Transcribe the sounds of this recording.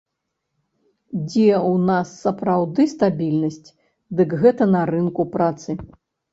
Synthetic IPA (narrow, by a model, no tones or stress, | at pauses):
d͡zʲɛwnasːɐpɾawd̪ɨst̪abʲilʲnɐsʲt͡sʲ | d̪ɨkɣɛt̪ɐnɐɾɨnkupɾat̪sɨ